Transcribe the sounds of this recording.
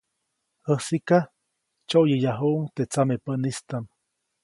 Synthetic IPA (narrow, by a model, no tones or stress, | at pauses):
əsika | t͡ʃoʔjəjaɦuʔuŋt̪et͡samepənist̪am